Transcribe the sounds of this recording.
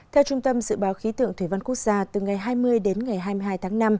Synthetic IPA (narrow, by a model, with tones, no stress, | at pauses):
t̪ʰɛ˧wt͡ɕʊ˧ŋ͡mt̪ə˧mzɨ̰˧˨ɓaː˨˦wxi˨˦t̪ɨ̰˧˨əŋt̪ʰwi˧˩va˧nku˦˥ək̚z̥aː˧t̪ɨ˨˩ŋa˨˩jɦaː˧jmɨ˧əjɗe˨˦nŋa˨˩jɦaː˧jmɨ˧ɦaː˧jt̪ʰaː˨˦ŋna˧m